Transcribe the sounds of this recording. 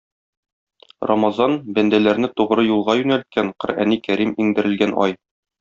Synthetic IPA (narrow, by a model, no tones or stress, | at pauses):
ro̰mɑzɑnbænd̪ælæɾnɘt̪uʁɾɤjulˠʁɑjʉnælt̪̚kæɴqɤ̆ɾæ̰nikæɾimiŋd̪ɘ̆ɾɘ̆lɡænʔɒ̰j